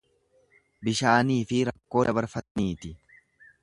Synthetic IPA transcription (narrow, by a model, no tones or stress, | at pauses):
bɪʃaːniːfɪɾɐkːo̞ːd̪ɐbɐɾfɐt̪niːt̪ɪ